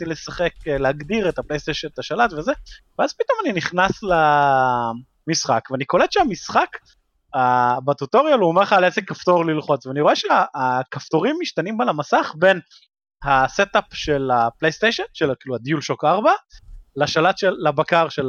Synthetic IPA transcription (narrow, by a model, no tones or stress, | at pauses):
tilesaχe̞kleaɡd̪iʁet̪aplejst̪ejʃonet̪aʃalat̪vezeveazpit̪o̞maniniχnasla | misχakveanikolet̪ʃeamisχak | abat̪ut̪o̞ʁjaluomeʁχalesekaft̪o̞ʁlilχo̞t͡sveaniʁoeʃeaːkaft̪o̞ʁimːiʃt̪animbalamasaχbe̞n | haset̪apʃelaplejst̪ejʃonʃelkiːluad̪ijulʃokaʁbalaʃalat̪ʃeːabakaʁʃel